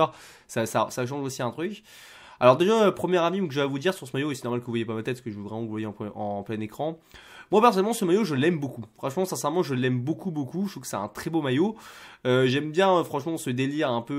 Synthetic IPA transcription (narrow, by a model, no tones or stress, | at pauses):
ʁ | sasasaʃ̬ɑ̃ʒosiɛ̃t̪χykʲ | alɔʁd̪eʒaøpχəmjɛʁavimukəʒəvavud̪iʁsyʁsəmajoesɛ̥nɔʁmalkəvuvwajepamat̪ɛt̪kəʒəvəvʁɛmɑ̃vuvuvwajeɑ̃pɑ̃plɛnekχɑ̃ | mwapɛʁsɔnɛlmɑ̃səmajoʒəlɛmbokufχɑ̃ʃmɑ̃sɛ̃sɛʁmɑ̃ʒəlɛmbokubokuʃt̪ufkə̥sɛt̪ɛ̃t̪χɛbomajoøʒɛmbjɛ̃øfχɑ̃ʃmɑ̃səd̪eliʁɛ̃pø